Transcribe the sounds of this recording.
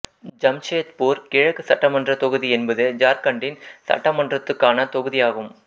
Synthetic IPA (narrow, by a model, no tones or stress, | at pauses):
d͡ʒɐmt͡ʃeːt̪poːɾkɪɻɐɣɯsɐʈːɐmɐndrɐt̪ɔɣɯðiɛnbɐðɯd͡ʒaːɾkɐɳɖɪnsɐ̰ʈːɐmɐndrɐt̪ːɯkːaːnɐt̪ɔɣɯðɪjaːɣɯm